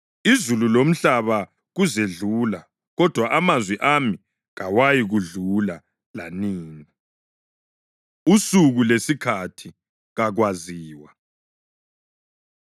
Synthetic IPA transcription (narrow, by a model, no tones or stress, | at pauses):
izululom̩ɬaβa | ɣuzeɮuːla | ɣɔd̥ʱwaʔamazwɛʔami | ɣawajiɣuɮula | la̰niːni | usuɣulesikʰatʰi | ɣaɣwaziːwa